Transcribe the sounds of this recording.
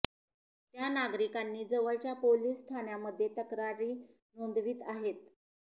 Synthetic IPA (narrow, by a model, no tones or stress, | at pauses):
t̪janaɡɾikanːiːd͡zəʋəɭt͡ɕjapoliːsːʈ̪ʰanjaməd̪ʱːjet̪əkɾaɾiː | nond̪ʋiːt̪aɦet̪̚